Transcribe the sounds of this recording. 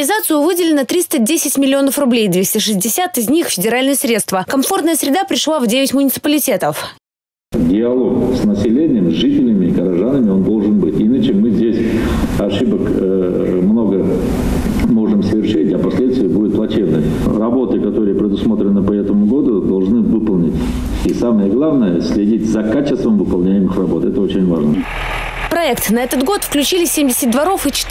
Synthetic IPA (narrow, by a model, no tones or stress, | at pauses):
ɪzat̪sɨjʊvɨdʲɪlʲɪnət̪ɾʲist̪ədʲesʲɪtʲmʲɪlʲɪo̞nəfrʊblʲejd̪vʲesʲtʲɪʂɨzʲdʲɪsʲat̪ɪzʲnʲixfʲɪdʲɪɾalʲnɨjəsɾʲe̞t̪st̪vəkɐmfo̞rt̪nəjəsɾʲɪd̪apɾʲɪʂlˠavdʲevʲɪtʲmʊnʲɪt̪sɨ̥pəlʲɪtʲe̞t̪əf | dʲɪɐlˠo̞ksnəsʲɪlʲenʲɪjəmzʲʐɨtʲɪlʲɪmʲɪɡəɾɐʐanəmʲɪo̞nd̪o̞lˠʐɨnbɨtʲinət͡ɕɪmɨzʲdʲesʲɐʂɨbək | mno̞ɡə | mo̞ʐɨmsəvʲɪrʂɨtʲɐpɐsʲlʲet̪st̪vʲɪjəbudʲɪt̪̚plˠɐt͡ɕʲevnə | rɐbo̞t̪ɨkɐt̪o̞ɾɨjəpɾʲɪd̪ʊsmo̞t̪ɾʲɪnːɨpɐɛt̪əmʊɡo̞d̪ʊd̪ɐlˠʐnɨvɨpəlˠnʲɪtʲ | isaməjəɡlˠavnəjəsʲlʲɪdʲitʲzɐkat͡ɕɪst̪vəmvɨpɐlˠnʲæjɪmɨxrɐbo̞t̪ɛt̪əo̞t͡ɕɪnʲvaʐnə | pɾɐɛkt̪nɐɛt̪ət̪ɡo̞t̪fklʲʉt͡ɕilʲɪsʲemʲdʲɪsʲɪt̪̚ʲd̪vɐɾo̞fit͡ɕɪ̥t̪